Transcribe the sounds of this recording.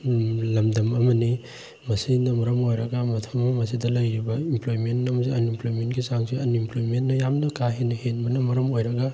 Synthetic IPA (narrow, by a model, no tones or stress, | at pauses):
lɐmdɐmɐmɐni | mɐsinɐmɐɾɐmojɾɐɡɐmɐtʰɐmmɐmɐsidɐlɐjɾibɐimplojmentnɐmɐsiɐnimplojmentɡisaŋsiɐnimplojmentnːɐjamnɐkaɦenɐhenbɐnɐmɐɾɐmojɾɐɡa